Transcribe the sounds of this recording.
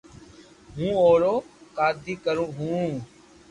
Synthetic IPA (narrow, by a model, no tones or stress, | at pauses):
ɦũːoːɾoːkaːd̪ʱiːkəɾũːɦũː